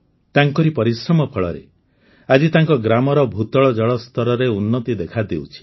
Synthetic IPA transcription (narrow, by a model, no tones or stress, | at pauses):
t̪aŋkɔɾipɔɾisɾɔmɔpʰɔɭɔ̰ɾḛ | ad͡ʒit̪aŋkɔɡɾamɔɾɔbʱut̪ɔɭɔd͡ʒɔɭɔst̪ɔɾɔɾeunːɔt̪id̪ekʰad̪ewt͡ʃʰi̥